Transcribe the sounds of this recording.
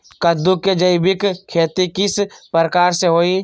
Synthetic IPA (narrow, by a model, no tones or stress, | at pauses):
kɐd̪uked͡ʒɐɪbɪkkʰːeːt̪ikɪspəɾəkaːɾseɦoːi